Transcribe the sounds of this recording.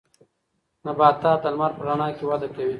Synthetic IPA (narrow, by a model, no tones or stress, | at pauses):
nabaːt̪aːt̪ɐlmaɾpəɾaɳaːkewad̪akawi